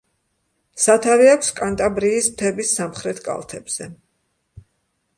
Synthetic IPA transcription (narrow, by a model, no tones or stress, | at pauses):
sat̪ʰaviakʰʷskʼant̪ʼabɾiːsmt̪ʰɛbisːamχɾɛt̪ʰkʼa̰lˠt̪ʰɛbz̥ɛ